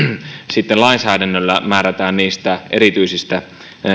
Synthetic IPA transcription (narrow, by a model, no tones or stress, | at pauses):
sit̪ːelɑinsæːdænːølːæmæːræt̪æːnniːst̪æʔeɾit̪yisist̪æ